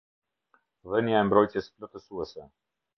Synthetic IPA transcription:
vənjaɛmbɾɔjt̪jɛsplɔt̪əsuɛsɛ

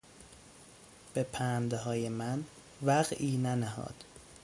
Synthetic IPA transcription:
b̥epʰæːnd̪ɦɒːjemæn | væɣiːnænæhɒ̰ːd̪̥

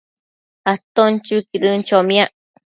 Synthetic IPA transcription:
at̪ont͡ʃukiɾɨnt͡ʃomj̃aʔ

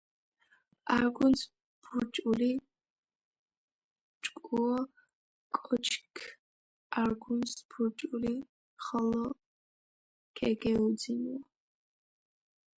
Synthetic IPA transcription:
aɾɡuns | bʰuɾt͡ʃʼuli | t͡ʃʼkʼuɔ | kʼɔt͡ʃʰkʰ | aɾɡunsbʰuɾt͡ʃʼuli | χɔlɔ | kʰɛɡɛud̪zinɔ

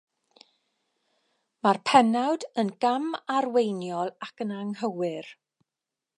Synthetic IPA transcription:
marpʰɛnawdənɡamarwejnjɔlˠakənaŋhəwɪr

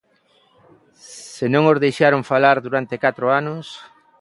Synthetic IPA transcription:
senõŋozðejʃaɾoŋfalaɾðuɾant̪ekat̪ɾʊanʊs

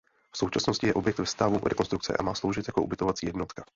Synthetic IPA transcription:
fsowt͡ʃasnoscɪjɛʔobjɛk̚t̪vɛst̪avuɾɛ̰konst̪ɾukt͡sɛ̰ʔa̰maːslo̞wʒɪt̪jakoubɪt̪ovat͡siːjɛdno̞t̪kḁ

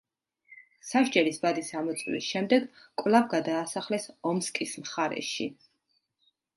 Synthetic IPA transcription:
saʃd͡ʒɛɾisbad̪isamɔt̪sʼwlḭsʃɛmd̪ɛɡkʼvlˠavɡad̪aːsaχlɛsɔmskʼismχaɾɛ̰ʃḭ

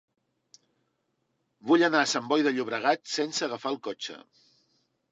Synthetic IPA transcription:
buʎənaəsambɔjðəʎuβɾəɣ̞at̪sensəːɣəfaəlˠkɔt͡ʃə̰

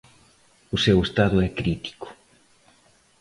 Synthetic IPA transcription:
ʊsewest̪aðʊɛkɾit̪i̥kʊ̥

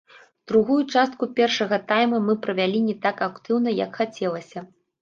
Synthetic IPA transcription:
d̪ɾuɣujut͡ʂast̪̚kupʲɛrʂɐɣɐt̪ajmɐmɨpɾɐvʲalʲinʲɛt̪akakt̪ɨwnɐjɐ̰kxat͡sʲɛlˠɐsʲɐ

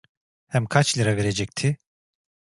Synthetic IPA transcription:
hæmkʰat͡ʃlʲˠiɾave̞ɾed͡ʒɛc̚t̪ʰɪ

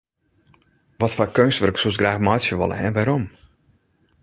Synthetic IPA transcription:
ʋɔtfakønstʋərksuosɡraːxmɔjsjəʋɔ̰lə̰ɛ̰nʋaɾɔm

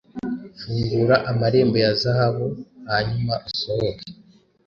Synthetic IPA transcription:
fuːŋɡuɾaʔamaɾe̞ːmbo̞jazahaβuhaɲumaʔusohoke̥

